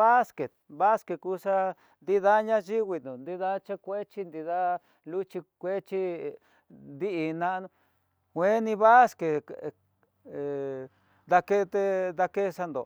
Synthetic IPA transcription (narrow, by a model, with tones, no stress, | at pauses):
βa˦ske˨t̪̚βa˦ske˧kuː˧˦sa˦ | nd̪i˦ða˦ɲã˦ʒi˦ɣi˧nũ˨nd̪i˦ða˦t͡ʃe˦kʷe˦t͡ʃi˦nd̪i˧ða˦ | lu˦t͡ʃi˧kʷe˦t͡ʃi˦ | nd̪i˦ʔi˧nã˦ʔnũ˧ | kʷe˦nĩ˧βa˦ske˨ | d̪a˧ke˦t̪e˧ða˧ke˦˧sa˧nd̪o̰˨